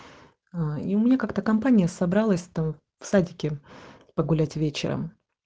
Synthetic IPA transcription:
aiʊmʲɪnʲakakt̪əkɐmpanʲɪjəsɐbɾalˠəsʲt̪am | fsadʲɪkʲɪ | pəɡʊlʲætʲvʲet͡ɕɪ̰ɾə̰m

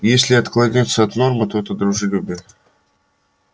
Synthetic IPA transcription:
jesʲlʲɪɐt̪klˠɐnʲet̪sːəɐt̪no̞rmɨt̪ot̪əd̪ɾʊʐɨlʲʊbɨ

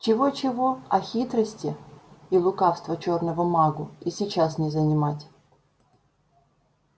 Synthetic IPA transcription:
t͡ɕɪvot͡ɕɪvo̞ɐxʲit̪ɾəsʲtʲɪilˠʊkafst̪vət͡ɕornəvəmaɡʊisʲɪt͡ɕasnʲɪzənʲɪmatʲ

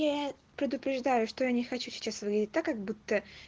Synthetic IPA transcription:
ja | pɾʲɪd̪ʊpɾʲɪʐd̪ajʊʂt̪ojanʲɪxɐt͡ɕusʲɪ̥t͡ɕasvɨɡlʲdʲɪtʲt̪akːɐɡbut̪ːə

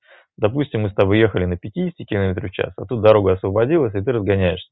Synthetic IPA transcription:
d̪ɐpusʲtʲɪmːɨst̪ɐboje̞xəlʲɪnəpʲɪtʲidʲɪsʲtʲɪkʲɪlˠɐmʲet̪ɾʲʊfʲt͡ɕa̰sɐ̰t̪ut̪̚d̪ɐɾo̞ɡəɐsvəbɐdʲilˠəsʲɪt̪ɨɾəzɡɐnʲæjɪʂsʲə̥

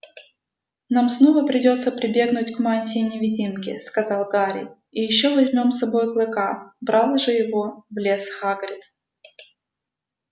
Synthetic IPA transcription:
namsnovəpɾʲɪdʲo̞t̪səpɾʲɪbʲe̞ɡnʊtʲkmanʲtʲɪnʲɪvʲɪdʲimkʲɪ̰skɐzɑlˠɡaɾʲɪ̰ | ɪjɪɕːo̞vɐzʲmʲo̞msɐbo̞jklˠɨkabɾɑlˠəʐɨjɪvo̞vlʲesxaɡɾʲɪt̪

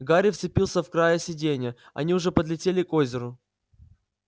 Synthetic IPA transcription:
ɡaɾʲɪft̪sɨpʲilˠsʲəfkɾajəsʲɪdʲenʲɪjə | ɐ̰nʲiʊʐɛpəd̪lʲɪtʲelʲɪkozʲɪɾʊ

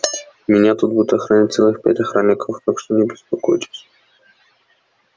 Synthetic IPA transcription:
mʲɪnʲat̪ut̪̚bud̪ʊt̪ɐxɾɐnʲat̚ʲt̪sɛlˠɨxpʲæ̰tʲɐxɾamʲɪkəft̪akʂt̪onʲɪbʲɪspɐkojt̪ʲɪ̥t̪

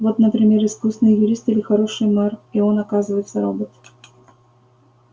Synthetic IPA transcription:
vo̞t̪nəpɾʲɪmʲeɾɨskusnɨjjʊɾʲist̪ɪlʲɪxɐɾo̞ʂɨjmario̞nɐkazɨvəjt̪szɐɾobət̪

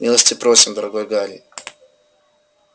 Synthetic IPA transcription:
mʲilˠəsʲtʲɪpɾo̞sʲɪmd̪əɾɐɡo̞jɡalʲɪ

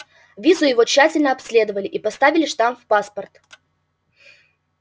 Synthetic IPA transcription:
vʲizʊjɪvot͡ɕːætʲɪlʲnəɐpsʲlʲe̞d̪əvəlʲɪʔipɐst̪avʲɪlʲɪʂt̪amfpaspərt̪

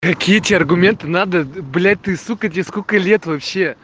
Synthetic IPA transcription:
kɐkʲijətʲeɐrɡʊmʲe̞nt̪ɨnad̪əblʲæt̪ɨsukətʲeskokəlʲe̞t̪vɐpɕːe

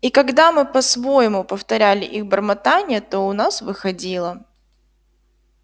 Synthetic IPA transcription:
ikɐɡd̪amɨpɐsvo̞jɪmʊpəft̪ɐɾʲælʲɪ̰ʔiɣbərmɐt̪anʲɪjət̪o̞ʊnasvɨxɐdʲilˠə

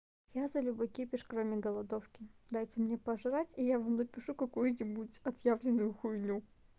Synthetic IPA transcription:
jazɐlʲʊbɨkʲepʲɪʂkɾomʲɪɡəlˠɐd̪ofkʲɪd̪ajt͡sʲəmnʲepɐʐɨɾatʲijavamnopʲɪʂukɐkujʊnʲɪbutʲɐt̪javlʲɪnːʊjʊxʊjnʲu

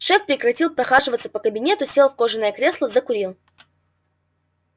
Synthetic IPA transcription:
ʂɛfpɾʲɪkɾɐtʲilˠpɾɐxaʐɨvət̪səpəkəbʲɪnʲe̞t̪ʊsʲe̞lˠfko̞ʐɨnəjəkɾʲe̞slˠəzəkʊɾʲilˠ

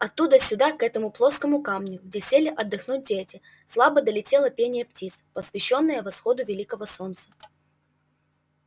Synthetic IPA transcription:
ɐt̪ːud̪əsʲʊd̪akɛt̪əmʊplˠoskəmʊkamnʲʊɡ̚dʲesʲelʲɪʔɐd̪ːɨxnut̚ʲdʲetʲɪ | slˠabəd̪əlʲɪtʲelˠəpʲenʲɪjəptʲit̪spəsvʲɪɕːonːəjəvɐsxod̪ʊvʲɪlʲikəvəsont̪sə

